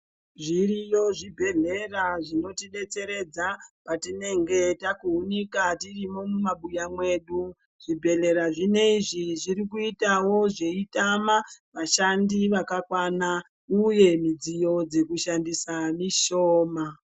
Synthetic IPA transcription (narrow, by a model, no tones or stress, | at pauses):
ʐirijo̞ʐibʱe̞ɮe̞raʐino̞tiɗe̞t͡se̞ɾe̞d͡zapatine̞ŋɡe̞takuunikatirimomumaɓujamwe̞ɗu | ʐ̥ibʱe̞ɮe̞ɾaʐine̞iʐiʐirikuitawo̞ʐe̞itamaʋaʃandiʋakakwana | uje̞mid͡zijo̞d͡ze̞kuʃandisamiʃo̞ːma